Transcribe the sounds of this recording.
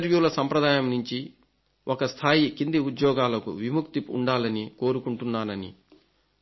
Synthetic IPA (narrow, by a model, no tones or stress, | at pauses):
ɾʋjuːlɐsɐmpɾɐd̪aːjɐmnuɲt͡ʃi | ɔkɐst̪ʰaːjikind̪iud̪jɔːɡaːlɐkṵʋimukt̪ipṵɳɖaːlɐniko̞ːɾukuɳʈunːaːnɐnḭ